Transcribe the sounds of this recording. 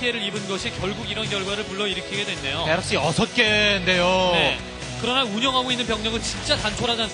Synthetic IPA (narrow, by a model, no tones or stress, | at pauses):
ieɾɯɾibɯnɡʌɕʰikjʌɭɡuɡiɾʌnkjʌɭɡwaɾɯɭpuɭːʌiɾɯkʰiɡe̞dwe̞nde̞jopeɾʌk̚ɕ͈iʌsʰʌt̚k͈e̞nde̞jone | kɯɾʌnauɲʌŋɦaɡoinːɯnpjʌŋɲʌŋɯnt͡ɕint͡ɕ͈atant͡ɕʰoɾɦad͡ʑans